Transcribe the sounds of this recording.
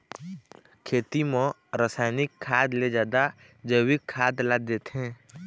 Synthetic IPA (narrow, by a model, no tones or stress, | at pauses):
kʰeːt̪imɔ̃ | ɾəsaːɪnɪkʰːaːd̪led͡ʒaːd̪a | d͡ʒəwɪkʰːaːd̪lad̪eːt̪ɦɛ̃ː